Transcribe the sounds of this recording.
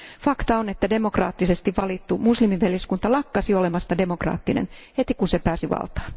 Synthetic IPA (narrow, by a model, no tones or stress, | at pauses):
fɑkt̪ɑonet̪ːæde̞mo̞krɑ̰ːt̪ːisest̪iʋʋɑlit̪ːumuslimiʋʋeljiskunt̪ɑlɑkːɑsio̞lemɑst̪ɑde̞mokrɑ̰ːt̪ːinḛnhet̪ikunsepæːsiʋɑ̰lt̪ɑ̥ːn